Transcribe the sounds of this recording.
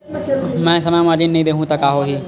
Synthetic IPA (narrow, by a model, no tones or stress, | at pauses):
mɛ̃ːsɐmaːmaːɾd͡ʒinːɐɦĩd̪eːɦũt̪ɐkaːɦoɦiː